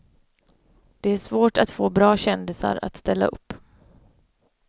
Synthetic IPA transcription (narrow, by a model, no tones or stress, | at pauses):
d̪̥ɛæʂvoːʈat̪foːbɾɑːɕɛnd̪ɪsa̰ɾa̰t̪st̪ɛlːa̰ɵ̰pː